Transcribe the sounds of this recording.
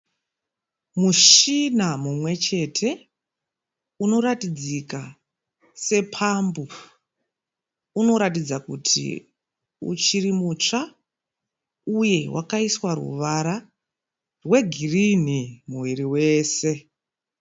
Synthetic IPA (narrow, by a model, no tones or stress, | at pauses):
muʃinamumwe̞t͡ʃe̞tʰe̞ | uno̞ɾatid͡zika | se̞pʰambu | uno̞ɾatid͡zakṵtʰḭ | ṵt͡ʃirimut͡ʂa | uje̞wʔa̰kaiswaɾṵʋaɾa | rwe̞ɡʱirinimuʋiɾiwe̞ːse̞